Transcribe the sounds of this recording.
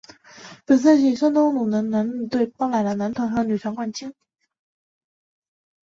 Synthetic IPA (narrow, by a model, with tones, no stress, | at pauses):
pə˨˩s̬ʰa˥˧ʂi˥˩ʂɑ˥t̪o˥ŋlu˨˩nə˧˥na˧˥n̩˨˧˩t̪we˥˩ɪpɑ˥ŋla˨˩ɪlə˧˩na˧˥nt̪ʰwa˧˥nxɤ˧˥ny˨˩wa˧˥nkwa˥˩nt͡ɕʰi˥ŋ